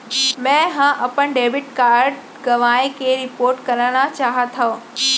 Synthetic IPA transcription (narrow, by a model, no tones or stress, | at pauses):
mɛ̃ːɦãʔɐpənɖeːbɪʈkaːɾɖ | ɡɐʋaːekʰeɾɪpoːɾʈkɐɾəɽ̃at͡ɕaːɦət̪ʰa